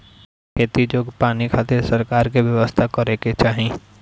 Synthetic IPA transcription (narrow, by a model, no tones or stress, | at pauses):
kʰeːt̪id͡ʒoːkpaːnikʰaːt̪eɾsɐɾkaːɾk̬iʋjɐʋəst̪ʰakɐɾeket͡ʃaːɦẽː